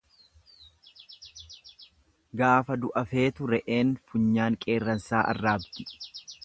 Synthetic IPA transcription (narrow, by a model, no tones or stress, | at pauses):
ɡaːfɐd̪ʊʔɐfe̞ːt̪ʊɾɛʔeːnfʊɲːaːŋkʼe̞ːrːɐnsaːʔɐ̰rːaːbt̪ɪ